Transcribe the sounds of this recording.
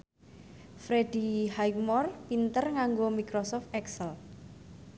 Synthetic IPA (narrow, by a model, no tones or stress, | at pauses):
fɾed̥ihajk̚mɔrpint̪ərŋaŋɡomikɾosɔft̪ɛksəl